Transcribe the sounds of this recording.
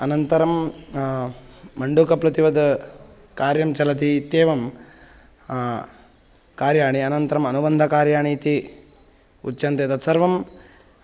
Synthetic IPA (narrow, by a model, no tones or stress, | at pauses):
ɐnɐnt̪ɐɾɐm | ɐɳɖukɐpɾɐt̪iʋɐd̪ | kaːɾjɐmt͡ʃɐlɐt̪̬iːt̪jeːʋɐm | kaːɾjaːɳiɐnɐnt̪ɐɾɐmɐnubɐnd̪ʱɐkaːɾjaːɳiːt̪i | ṵtːt͡ʃɐnt̪et̪ɐt̪sɐɾʋɐm